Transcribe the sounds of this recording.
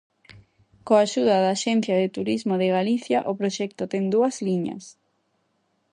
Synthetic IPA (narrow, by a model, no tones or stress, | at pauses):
koaʃuðɐðaːʃɛn̟θjɐðɪt̪uɾizmoðɪɣaliθjaʔopɾoʃɛk̚t̪ʊt̪ɛŋd̪uɐzliɲɐ̰s